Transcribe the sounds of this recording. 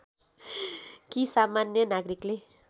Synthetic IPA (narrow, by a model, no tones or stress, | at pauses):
kisamanjənaɡɾikle